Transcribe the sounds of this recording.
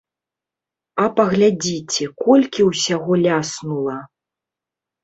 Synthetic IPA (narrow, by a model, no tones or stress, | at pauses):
ɐpɐɣlʲad͡zʲit͡sʲɛkɔlʲkʲiwsʲaɣɔlʲasnulˠɐ